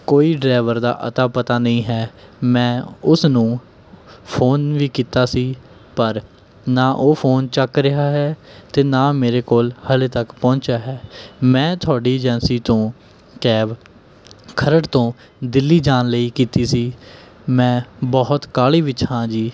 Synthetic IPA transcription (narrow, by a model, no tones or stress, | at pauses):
koːiːɖɾaːʋəɾd̪a̰ːʔə̰t̪aːpət̪aːnəĩːɦɛːmɛ̃ːʊsnũː | pʰoːnʋiːkiːt̪aːsiː | pəɾ | naːʔoːpʰoːnt͡ʃəkɾɪɦaːɦɛːt̪eːnaːmeːɾeːkoːlhəlet̪əkpɔ̃ːnt͡ʃaːɦɛːmɛ̃ːt̪ʰʊaːɖiːd͡ʒɛnsiːt̪õː | kɛːʋ | kʰəɾəɽt̪õː | d̪ɪlːiːd͡ʒaːnləiːkiːt̪iːsiː | mɛ̃ːbɔːt̪kaːliːʋɪt͡ʃhãːd͡ʒiː